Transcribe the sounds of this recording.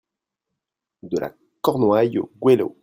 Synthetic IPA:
d̪əlʔa̰ | kɔʁnwajoɡwelo̰

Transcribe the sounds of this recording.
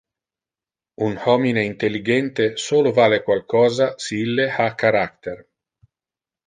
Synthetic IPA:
unhɔmineint̪elːiɡɛnt̪esoːlovaːlekwalkɔːzasiilːehakːaɾakt̪er

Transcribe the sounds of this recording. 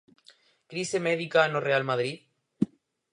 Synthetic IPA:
kɾisemeðikanorealmaðɾið

